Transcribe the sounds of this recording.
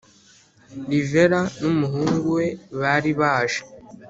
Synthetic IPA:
ɾive̞ɾanumuɦuːŋɡuwe̞βaɾiβaːʒḁ

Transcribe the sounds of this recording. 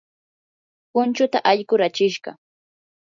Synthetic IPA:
pʊnt͡ʃʊt̪aʔaʎkʊɾat͡ʃɪʃɢɑ̰

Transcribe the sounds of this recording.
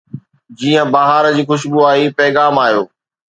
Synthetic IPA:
d͡ʑiːə̃baɦaːɾd͡ʑiːxʊʃ̬buaːɦipɛːɣaːmaːɦijoː

